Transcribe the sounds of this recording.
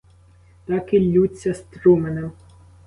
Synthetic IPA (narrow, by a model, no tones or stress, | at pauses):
t̪ɑkilʲːut͡sʲːɐst̪ɾumenem